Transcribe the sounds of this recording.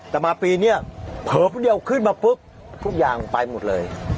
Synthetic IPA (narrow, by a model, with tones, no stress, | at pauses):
t̪ɛ˨˩maː˧pi˧ni˦˥ə˨pʰəː˨˩pːɗi˧ə˨wkʰɨ˦˥˦n̚ma˨˩pɨ˦˥k̚ | kʰu˦˥zaː˨˩ŋ˨pa˧jmo˨˩t̚ləː˨˩j